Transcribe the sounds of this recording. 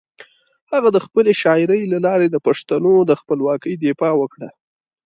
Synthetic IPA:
haɣad̪əxpəleʃɑɪɾəjlalɑɾed̪əpaʂt̪anod̪əxpəlwɑkəjd̪efɑwəkɽa

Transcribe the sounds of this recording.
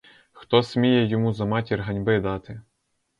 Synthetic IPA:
xt̪ɔsʲmʲijɛjɔmuzɐmɑtʲirɦɐnʲbɪd̪ɑt̪ɪ

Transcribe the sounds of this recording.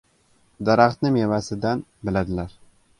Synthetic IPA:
d̪aɾaχt̪nɪmevasɪd̪anbɪlad̪ɪlaɾ

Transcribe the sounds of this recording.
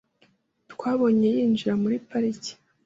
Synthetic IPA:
tkwaːβo̞ɲe̞jiːnd͡ʒiɾamuɾipaɾici̥

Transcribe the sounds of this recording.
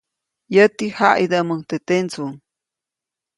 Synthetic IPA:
jət̪ihaʔid̪aməŋt̪et̪ent͡suŋ

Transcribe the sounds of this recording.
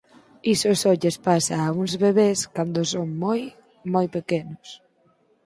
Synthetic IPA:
isʊsoʎespasaːuŋzβeβeskand̪ʊsoŋmoj | mojpekenʊs

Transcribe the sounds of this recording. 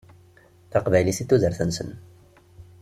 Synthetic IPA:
θɑqvæjlisiθːuzəɾθənsə̰n

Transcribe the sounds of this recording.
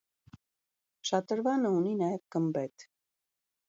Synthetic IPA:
ʃɑt̪əɾvɑnəuninɑjɛvkəmbɛt̪

